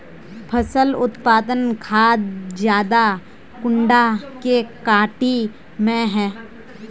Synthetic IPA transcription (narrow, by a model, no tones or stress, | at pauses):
pʰəsəlʊt̪paːd̪ənkʰaːd̪d͡ʒjaːd̪a | kʊ̃ɳɖakekaːʈi | mẽɦɛ̃ː